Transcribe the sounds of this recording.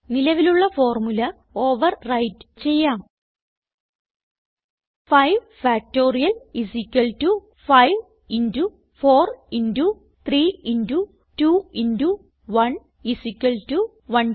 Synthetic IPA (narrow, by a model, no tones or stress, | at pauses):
nilɐʋiluɭːɐfo̞ːrmulɐ | o̞ːʋɐrːɐjtɨ̥t͡ɕe̞jːaːm | fɐjʋ | faːk̚to̞ːrijɐlisikʲːɐltu | fɐjʋ | indu | fo̞ːrindu | t̪riːindu | tuːindu | ʋɐn | isikʲːɐltu | ʋɐn